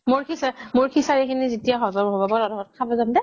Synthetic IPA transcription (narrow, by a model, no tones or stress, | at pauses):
moɹkʰisamoɹkʰisaɹikʰinizitijaɦɔzɔmɦɔbɔbɔɹɔdʱɔɔt̚kʰabɔzamdɛ